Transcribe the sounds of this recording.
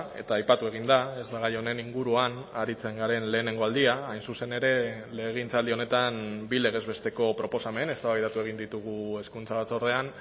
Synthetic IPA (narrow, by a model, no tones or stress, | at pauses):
e̞̰t̪aːjpat̪ue̞ɣ̞ind̪ae̞zd̪aɣ̞ajo̞ne̞niŋɡuɾuanaɾit͡se̞ŋɡaɾe̞nle̞ːne̞ŋɡo̞ald̪iaːjnsuse̞ne̞ɾe̞ | le̞ɣ̞int͡sald̪io̞ne̞t̪anbile̞ɣe̞zβe̞st̪e̞ko̞pɾo̞po̞same̞ne̞st̪aβaɣjt̪at̪ue̞ɣ̞ind̪it̪uɣ̞ue̞skunt͡saβat͡so̞ɾðe̞an